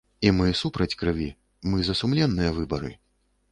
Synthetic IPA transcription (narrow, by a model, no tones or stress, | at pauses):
imɨsupɾɐt͡sʲkɾɨvʲi | mɨzɐsumlʲɛnːɨjɐvɨbɐɾɨ̰